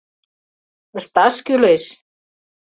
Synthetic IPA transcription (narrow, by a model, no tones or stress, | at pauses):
ə̆ʃt̪ɑʃkyleʃ